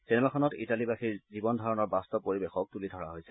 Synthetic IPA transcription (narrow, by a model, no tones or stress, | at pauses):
sɛnɛmakʰɔnɔtḭtalibaxiɹzibɔndʱɔɹɔnɔɹbastɔpoɹibexɔk̚tulidʱɔɹa̰ɦojsɛ